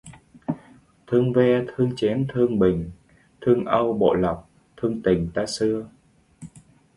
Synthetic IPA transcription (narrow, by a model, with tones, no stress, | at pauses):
t̪ʰɨ˧əŋvɛ˧t̪ʰɨ˧əŋt͡ɕɛ˨˦nt̪ʰɨ˧əŋɓï˨˩ŋ̟ | t̪ʰɨ˧əŋʔə˧wɓo̰˧˨lə˨˩p̚ | t̪ʰɨ˧əŋt̪ï˨˩ŋ̟t̪aː˧sɨ˧ə